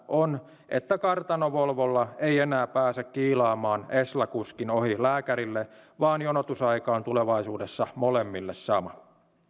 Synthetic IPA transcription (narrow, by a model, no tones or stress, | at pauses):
ʔon | ʔe̞̰t̪ːækɑrt̪ɑnoʋolʋolːɑejenæːpæːsekkiːlɑːmɑːneslɑkuskino̞hilæːkæɾilːeʋɑːnjonot̪usɑikɑːnt̪uleʋɑisuːde̞sːɑmolemːilːesːɑmɑ